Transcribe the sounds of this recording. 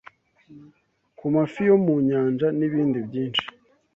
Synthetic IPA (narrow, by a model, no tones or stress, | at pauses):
kumafijo̞muɲaːnd͡ʒaniβiːndibɟiːnʃi̥